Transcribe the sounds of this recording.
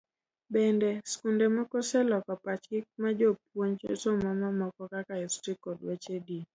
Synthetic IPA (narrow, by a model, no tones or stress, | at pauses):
bɛndɛskundɛmɔkɔsɛlɔkɔpat͡ʃkɪk̚mad͡ʒop̚woɲt͡ʃɔ̰somamamɔkɔkakaɛstikɔdwɛt͡ʃedi